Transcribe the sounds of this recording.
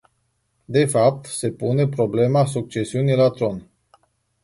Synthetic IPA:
d̪e̞fap̚t̪se̞pune̞pɾo̞ble̞masuk̚t͡ʃe̞siunilat̪ɾo̞n

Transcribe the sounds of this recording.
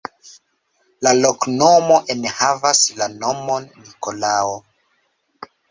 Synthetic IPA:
lalokno̞mo̞ʔenhavaslano̞monːiko̞lao

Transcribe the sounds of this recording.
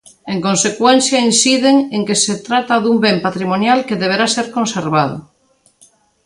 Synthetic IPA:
eŋkonsekwen̟θjainsiðeŋeŋkeset̪ɾat̪aðumbempat̪ɾimonjalkeðeβ̞eɾaseɾkonseɾβaðʊ̰

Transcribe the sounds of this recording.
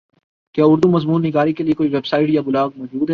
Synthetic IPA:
kjaːʊɾd̪umɐzmuːnːɪɡaːɾikeliekoːiʋebsaːɪʈjabʊlaːɡ̚mɔːd͡ʒuːd̪ɦɛ

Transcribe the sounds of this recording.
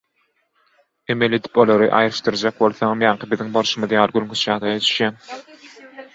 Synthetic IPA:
e̞me̞le̞d̪i̥po̞lˠoɾɯʔɑ̰jɾɯʃt̪ɯɾd͡ʒɑk̚bo̞lˠθomjɑŋqʰɯbiðiŋboɾʃɯmɯðjɑːlˠɯɡylʲŋkʰyt͡ʃjɑːd̪ɑjɑt͡ʃ̪ʰy̥ʃjæːn

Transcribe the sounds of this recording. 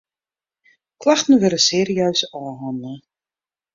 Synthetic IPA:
kʰlaxtən̩ʋøɾəseːɾiœɥsɔːɦɔnə

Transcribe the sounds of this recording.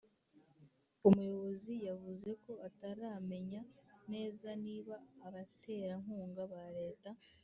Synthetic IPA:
umujo̞βo̞zijavuze̞ko̞ataɾaːme̞ɲane̞ːzaniːβaːβate̞ːɾaŋ̥huːŋɡaβaɾe̞ːta

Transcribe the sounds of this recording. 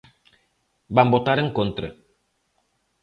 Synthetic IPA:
bambotaɾəŋ̩kont̪ɾə̰

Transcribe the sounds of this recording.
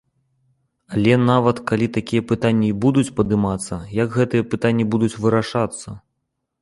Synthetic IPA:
alʲɛnavɐt̪kalʲit̪akʲijɐpɨt̪anʲːɐibud̪ut͡sʲpɐd̪ɨmat̪sːɐjɐɡɣɛt̪ɨjɐpɨt̪anʲːibud̪ut͡sʲvɨɾaʂat̪sːɐ

